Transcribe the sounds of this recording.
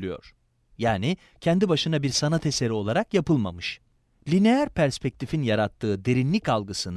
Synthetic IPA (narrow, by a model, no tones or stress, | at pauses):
lʲijo̞̰ɾ̥ | jaːni | cʰɛnd̪ibaʃɯnabiɾsanat̪ʰe̞se̞ɾio̞lˠaɾakjapɯlˠma̰mɯʃ | lʲinejæɾpʰæɾspʰɛc̚t̪ʰifinjaɾat̪ʰːɯːd̪e̞ɾinlʲicalˠɡɯsɯn